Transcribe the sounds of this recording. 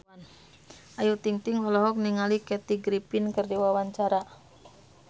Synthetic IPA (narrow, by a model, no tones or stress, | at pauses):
an | ʔajut̪iŋt̪iŋɔlɔɦɔk̚niŋalikɛt̪iɡɾipinkərdiwawaɲt͡ʃaɾa